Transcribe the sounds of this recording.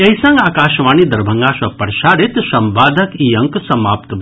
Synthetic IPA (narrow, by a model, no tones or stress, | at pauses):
ɐɦisɐ̃ŋɡaːkaːʃʋaːnid̪ɐɾbʱɐŋɡaːsʋɐpɐɾʃaːɾit̪sɐmʋaːd̪ʱəkiːɐ̃ŋksɐmaːpt̪b